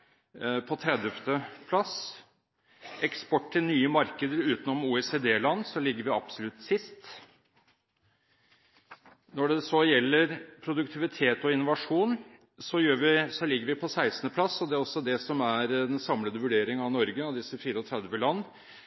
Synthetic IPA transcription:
pʰɔt̪ʰɾɛd̪əft̪əpʰlɑs | ɛkspɔʈːt̪ɪnyːəmɑɾkəd̪əɾʉːt̪nɔmuːɛseːd̪eːlɑnːsɔlɪɡːəɾʋɪɑb̥sɔlʉt̪ːsɪst̪ | nɔɖɛsɔjɛlːəɾpʰɾʊd̪ʉkt̪ʰɪʋɪt̪ʰeːt̪ɔɪnʊʋɑʂuːn | sɔjøːɾʋɪsɔlɪɡːəɾʋɪpʰɔsæɪsnəpʰlɑsːɔd̪ɛɔsːɔd̪ɛsɔmæɾd̪ɛnsɑmləd̪əʋʉɖeːɾɪŋɑʋnɔɾɡəɑʋd̪ɪsəfiːɾəɔt̪ʰɾɛd̪ʋəlɑnː

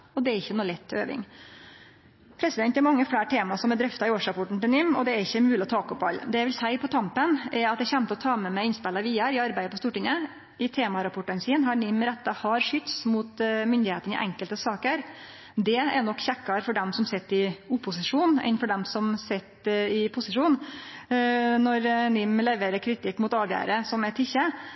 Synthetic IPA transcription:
ɔd̪ɛæɾɪçːənuːlɛt̪ʰːøːʋɪ̰ŋ | pʰɾɛsɪd̪ɛnt̪ːæɾmɑŋːəflæːʈʰeːmɑsɔmæd̪ɾœft̪ɑɪoːʂɾɑpɔʈːɳ̩t̪ɪlnɪmːɔd̪ɛæɾɪçːəmʉːlɔt̪ʰɑːkɔpːɑ̰l̰ːd̪ɛjæɪʋɪlsæɪpʰɔt̪ʰɑmpənɛɾɑt̪̚d̪ɛçɛmt̪əɔt̪ʰɑːmɛmæɪɪnspɛlɑʋiːəɾɪɑɾbæɪd̪əpʰɔst̪uːʈɪŋə | ɪt̪ʰeːmɑɾɑpɔʈːɑnsiːnɦɑɾnɪmːɾɛt̪ːɑhɑɾʂʏt̪smʊt̪mʏnd̪ɪheːt̪ənɪ̰ʔɛ̰ŋkəlt̪əsɑːkəɾ | d̪ɛɛɳɔkːçɛkːɑɾfɔɖɛmsɔmsɛt̪ːɪʊpʊsɪʂuːnɛ̰nfɔɖɛmsɔmsɛt̪ːɪpʰʊsɪʂuːn | nɔɾnɪmlɛʋeːɾəɾkʰɾɪt̪ʰɪkːmʊt̪ɑːʋjæ̰ːɾəsɔmɛt̪ʰɪçːə

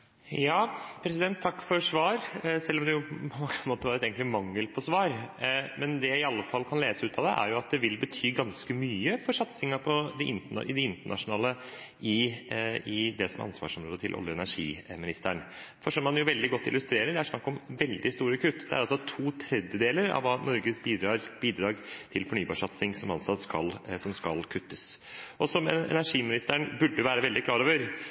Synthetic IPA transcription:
jɑːpʰɾɛsɪd̪ɛnt̪ʰːɑkːfɔɾʂʋɑːɾsɛlːɔmd̪ɛjʊppʰɔɛnɑnmoːt̪əʋɑɾɛt̪eːɡəŋt̪lɪmɑŋːəlpʰɔsʋɑːɾmɛnd̪ɛjæɪɪɑlːəfɑlːkʰɑnleːsəʉːt̪ʰɑʋd̪ɛ̰ʔæ̰ɾjʊɑt̪̚d̪ɛʋɪlbət̪ʰyːɡɑnskəmyːəfɔɾʂɑt̪sɪŋəpʰɔd̪ɪʔɪnt̪əɳɑ̰ʔɪd̪ɪɪnt̪əɳɑ̰ʂʊnɑːləʔɪ | ɪd̪ɛsɔmæʔɑ̰nsʋɑ̰ːʂɔmɾo̰ːd̪ət̪ʰɪlʔɔ̰ljəɛ̰næʂḭːmɪnɪst̪æɳfɔʂɔmːɑnjʊʋɛld̪ɪɡɔt̪ːɪ̰lʉst̪ɾeːɾəɖɛæʂnɑkːɔmʋɛld̪ɪst̪uːɾəkʰʉt̪ːd̪ɛæ̰ɾɑlsɔt̪ʰuːt̪ʰɾɛd̪jəd̪eːləɾɑ̰ʋɑːnɔɾɡəsbiːd̪ɾɑːɾbiːd̪ɾɑːɡt̪ʰɪlfɔɳyːbɑːʂɑt̪sɪŋsɔmɑnsɑt̪skɑlsɔmskɑlkʰʉt̪ːəsʔɔsɔmɛ̰næʂiːmɪnɪst̪æɳbʉɖəəʋæːɾəʋɛld̪ɪklɑːɾoːʋəɾ

